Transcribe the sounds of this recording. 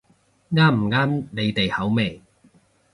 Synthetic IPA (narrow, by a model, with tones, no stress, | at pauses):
ŋaː˥m̩˨˩ŋaː˥mne˨˧jt̪e˨jhɐ˨˥wme˨˩j